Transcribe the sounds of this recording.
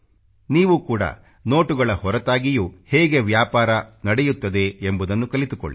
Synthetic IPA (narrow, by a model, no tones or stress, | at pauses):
niːʋukuːɽɐ̰ | no̞ːʈuɡɐɭɐhɔɾɐt̪aːɡijuhɛːɡe̞ʋjaːpaːɾɐnɐɽejut̪ːɐd̪e̞embud̪ɐnːukɐlit̪uko̰ɭːi